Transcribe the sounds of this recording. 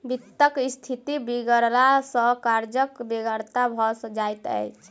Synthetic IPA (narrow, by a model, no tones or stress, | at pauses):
bit̪ːəkist̪ʰit̪ibiɡəɾlasə̃kaɾd͡ʒəkbeɡəɾt̪abʱɔsəd͡ʒajt̪ə̰jt͡ʃʰ